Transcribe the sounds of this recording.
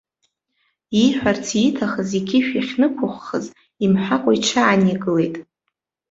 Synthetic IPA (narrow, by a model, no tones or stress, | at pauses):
iħʷᶣart͡sʰitʰaχəziɡʲɪʃᶣiχʲnɨkʷʰʊχʷːə̰z | imħʷakʷʼaiʈ͡ʂʰaːniɡɨle̞jtʼ